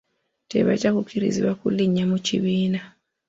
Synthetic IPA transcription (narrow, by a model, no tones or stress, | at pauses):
tḛβa̰ɟakukiɾḭziβakṵliɲamucḭβiːna